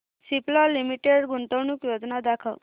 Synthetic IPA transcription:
siplɔlimiʈeɽɡunt̪əʋnukjod͡ʒnad̪akʰə̰ʋ

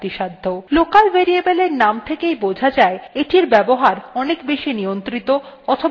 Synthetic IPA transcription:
t̪iʃad̪ʱːolokalbeɾiebeleɾnamt̪ʰekejbod͡ʑʱad͡ʑaeeʈiɾbɛboɦaɾɔnekbeʃinijont̪ɾit̪oɔt̪ʰo

